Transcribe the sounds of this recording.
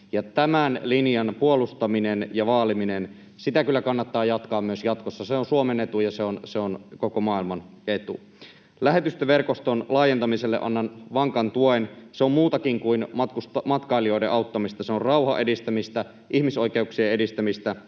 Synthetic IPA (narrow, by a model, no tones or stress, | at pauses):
jɑt̪æmænlinjɑnpuolust̪ɑminenjɑʋɑːliminen | sit̪ækylːækɑnːɑt̪ːɑːjɑt̪kɑːmmyøsjɑt̪kosːɑseonsuomenet̪ujɑseonseonkokomɑilmɑn | e̞t̪ṵ | læɦe̞t̪yst̪eʋʋe̞rkost̪onlɑːjent̪ɑmiselːeʔɑ̰nːɑnʋɑŋkɑnt̪uoenseommuːt̪ɑkiŋkuinɑt̪kusmɑt̪kɑilio̞ideʔɑut̪ːɑmist̪ɑseorrɑuhɑ̰ʔe̞dist̪æmist̪æ | ʔihmiso̞jke̞uksieedist̪æmist̪æ